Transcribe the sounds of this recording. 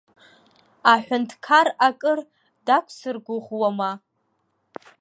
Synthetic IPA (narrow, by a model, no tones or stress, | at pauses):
aħʷᶣʊntʰkʰarakʼɨr | dakʷʰsɨrɡʷʊʁwama